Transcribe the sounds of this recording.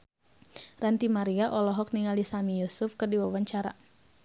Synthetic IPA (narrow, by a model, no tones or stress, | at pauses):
rant̪imaɾiaʔɔlɔɦɔk̚niŋaldisamijusʊfkɨrdiwawaɲt͡ʃaɾa̰